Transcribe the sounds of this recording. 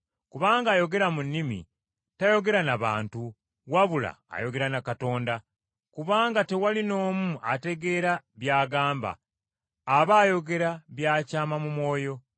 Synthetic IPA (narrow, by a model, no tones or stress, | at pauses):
kuβaːŋɡaːjo̞ɡe̞ɾamunːimḭ | tajo̞ɡe̞ɾanaβa̰ːntu | waβula̰ːjo̞ɡe̞ɾanakato̞ːnda | kuβaːŋɡate̞walino̞ːmuʔate̞ɡe̞ːɾaβjaːɡaːmba̰ː | βaːjo̞ɡe̞ɾaβjaːcaːmamumwo̞ːjo̞